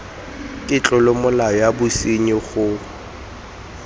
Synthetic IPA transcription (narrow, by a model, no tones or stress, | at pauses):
kʼɪt͡ɬʼɔlɪmʊlaɔjabʊsiɲɪχʊ